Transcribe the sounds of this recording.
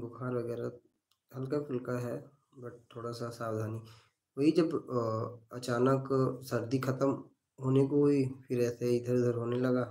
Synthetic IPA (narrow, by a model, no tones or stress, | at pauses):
bʊkʰaːɾʋɐɡɛːɾa | ɦɐlkafʰɪlkaɦɛ | bɐʈ̚t̪ʰːoːɽasasaːwd̪ʱaːnik | ʋɐɦid͡ʒɐb | ɐt͡ʃaːnəksɐɾd̪ikʰɐt̪əm | ɦoːnekoɦoipʰɪɾɛːseɪd̪ʱəɾd̪ʱəɾɦoːnelɐɡaː